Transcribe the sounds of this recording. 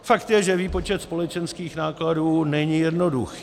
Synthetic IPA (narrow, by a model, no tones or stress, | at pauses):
fakt̪jɛʒɛviːpo̞t͡ʃɛt̪spo̞lɛt͡ʃɛnskiːxnaːkladuːnɛɲijɛdno̞dṵxi̥ː